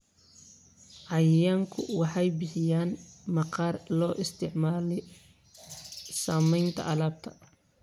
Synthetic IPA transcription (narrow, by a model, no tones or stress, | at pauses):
ʕɑjjaːŋkʰʊ̰wɑħɑjbɪħɪjaːnmɐqɑːrlɔːʔɪst̪ʰɪʕmaːlɛ | saːmɛjnt̪ʰɐ̰ʔɐlaːb̚t̪ʰɐ̥